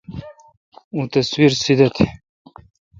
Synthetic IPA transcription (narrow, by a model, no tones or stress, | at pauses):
ũt̪ɐswiɾsid̪at̪ʰi